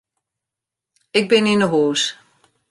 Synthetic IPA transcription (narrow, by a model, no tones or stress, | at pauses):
ɪɡ̚bɪnɪnəɦoːs